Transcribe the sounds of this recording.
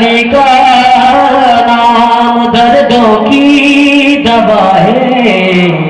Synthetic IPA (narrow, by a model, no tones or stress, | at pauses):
likaː | naː | md̪ɐɾd̪oːki | d̪ɐbaːɦeː